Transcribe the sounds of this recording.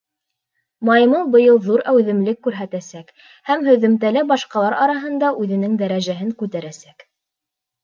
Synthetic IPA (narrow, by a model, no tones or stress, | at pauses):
mɑjmɤlˠbɤ̆jɤlˠðuɾæwðɘ̆mlɘkːʉɾɦæt̪æsæk | hæmhɵ̆ðɘ̆mt̪ælæbɑʃqɑlˠɑɾɑɾɑɦɤ̆nd̪ɑʔʉðɘ̆nɘŋd̪æɾæʒæɦɘŋkʉt̪æɾæsæk